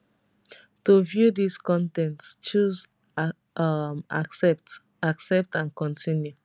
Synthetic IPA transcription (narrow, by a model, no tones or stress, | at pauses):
tovjudiskɔ̃ntɛ̃ntst͡ʃuz | ʔʌma̰ksɛp̚t | aksɛp̚tãnkɔ̃ntʰĩnju